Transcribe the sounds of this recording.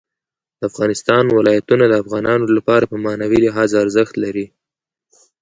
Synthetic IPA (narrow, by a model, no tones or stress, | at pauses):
d̪̥əafɣɑnɪst̪ɑnwɪlɑjat̪unad̪əafɣɑnɑnolapɑɾapəmanawilɪɦɑzaɾzəxt̪laɾi